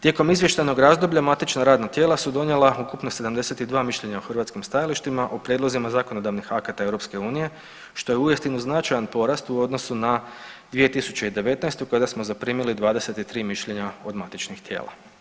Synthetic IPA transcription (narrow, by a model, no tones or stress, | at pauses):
t̪je̞ko̞mizʋje̞ʃt̪ajno̞ɡɾazd̪o̞bʎamat̪it͡ʃnaɾaːd̪nat̪je̞ːlˠasud̪o̞nje̞lˠaukupnose̞d̪amd̪e̞se̞t̪id̪ʋaːmiʃʎe̞ɲaoxrʋat̪skimst̪ajaliʃt̪imaʔopɾjedlo̞zimazaːkono̞d̪aʋnixakat̪ae̞wɾo̞pske̞uːnije̞ | ʃt̪o̞jeujest̪inuznat͡ʃajanpo̞ɾast̪uo̞d̪no̞sunad̪ʋie̞t̪isu̥t͡ɕe̞id̪e̞ʋe̞t̪najst̪ukad̪asmo̞zapɾiːmilid̪ʋaːd̪ese̞t̪it̪ɾiːmiʃʎe̞ɲao̞d̪mat̪it͡ʃnixt̪jḛːla̰